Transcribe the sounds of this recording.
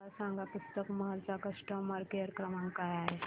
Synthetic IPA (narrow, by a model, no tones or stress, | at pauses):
asãːŋɡapʊst̪əkmɐɦɐlsakɐʂʈəmɐɾkeɐɾkɾɐmãŋkajaːɦe